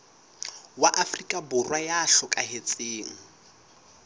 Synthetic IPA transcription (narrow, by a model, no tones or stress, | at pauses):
waʔafrikʼabʊrwajaɬɔkʼaɦet͡sʼeːŋ̩